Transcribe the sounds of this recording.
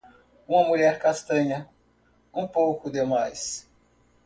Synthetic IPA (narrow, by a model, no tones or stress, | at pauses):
ũmɐmuʎɛɾkast̪ɐ̃ɲɐ | ũpowkʊd̪emajs